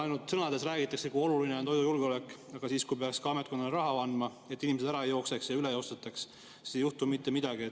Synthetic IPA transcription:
ɑjnult̪sɤnɑd̪e̞sræːɡit̪ːˑɑksekuo̞lulineont̪o̞jd̪ujulɡ̥eo̞le̞kːɑɡ̥ɑsiːskujpeɑkskɑɑmet̪̚ko̞nd̪ɑlɾɑɦɑɑnd̪mɑ | e̞t̪ˑːinimes̬d̪æɾɑejo̞kse̞ksjɑyle̞jo̞st̪et̪ːˑɑks | se̥ːisejuht̪umit̪ːe̞mid̪ɑɡiet̪ː

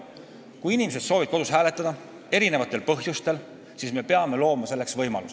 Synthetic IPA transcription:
kujinimese̞d̪̥so̞ːvid̪̥̚ko̞d̪̥ushæːle̞t̪ːˑɑd̥̪ɑ | e̞ɾine̞vɑt̪ːˑe̞lpɤɦjust̪e̞l | siːsme̞peɑme̞lo̞ːmɑse̞lːe̞ksvɤ̞jmɑ̰lus

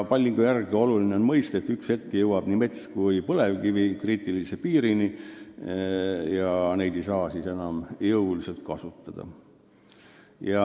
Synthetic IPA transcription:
pɑlʲːiŋɡ̥ujærɡ̥io̞lulineo̞nmɤjst̪ɑet̪ːykshe̞t̪̚kejɤwɑb̥nimet̪skujpɤlevɡivikriːt̪ːˑilisepiːɾini | jɑne̞jd̪̥e̞jsɑːsise̞nɑmjɤwlise̞lt̪̚kɑsut̪ːɑd̪̥ɑ̰ | jɑ

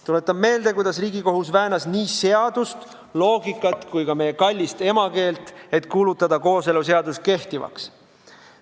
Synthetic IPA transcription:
t̪ule̞t̪ːˑɑbme̞ːld̪̥e̞kujd̪̥ɑsriːɡiko̞ɦusvæːnɑsniːse̞ɑd̪̥ust̪ | lo̞ːɡikːˑɑt̪kujkɑme̞jekɑlʲːist̪e̞mɑke̞ːlt̪ˑe̞t̪kuːlut̪ːˑɑd̪̥ɑko̞ːse̞lus̬e̞ɑd̪̥ust̪̚ke̞ht̪ivɑ̰ks

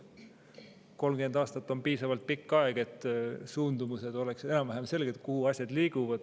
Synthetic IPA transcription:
ko̞lmɡend̪ɑːst̪ɑt̪ːˑo̞mpiːsɑvɑlt̪̚pikːɑeɡ̥e̞t̪ːˑsuːnd̪umused̪̥o̞lekse̞nɑmvæɦemse̞lɡ̥et̪kuhuɑsʲjɑd̪̥liːɡ̥uvɑd̪̥

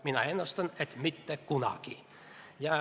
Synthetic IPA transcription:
minɑ̰enəst̪ənɛt̪mʏt̪ːəkunɑ̰ki | jɑ

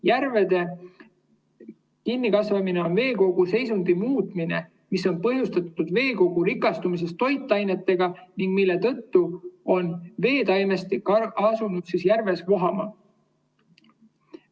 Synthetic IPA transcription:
jæɾve̞d̪̥e̞ | kinːikɑsvɑmine̞o̞nve̞ːko̞ɡ̥use̞jsund̪imuːt̪ˑmine̞̰ | miso̞npɤɦjust̪ɑt̪ːud̪̥ve̞ːko̞ɡ̥uɾikˑːɑst̪umis̬e̞st̪ːo̞jt̪ːˑɑjne̞t̪ːe̞ɡ̥ɑniŋɡ̥milːe̞t̪ɤ̞t̪ːuo̞nve̞ːd̪ɑjnest̪ikɑɑsunud̪̥sisjærve̞sko̞ɦɑmɑ̰

